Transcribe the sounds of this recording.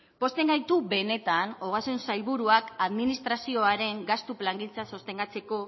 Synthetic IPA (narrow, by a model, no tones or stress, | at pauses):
po̞st̪e̞ŋɡajt̪uβe̞ne̞t̪ano̞ɣ̞asunsajlβuɾuakaðminist̪ɾasio̞aɾe̞ŋɡast̪uplaŋɡint͡saso̞st̪e̞ŋɡat͡se̞ko̞